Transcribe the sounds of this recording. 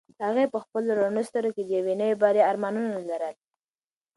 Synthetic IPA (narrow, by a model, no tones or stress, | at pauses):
haɣepəxpəloɾonəst̪əɾoked̪əjawenəjebɑɾeaɾmɑnunalaɾəl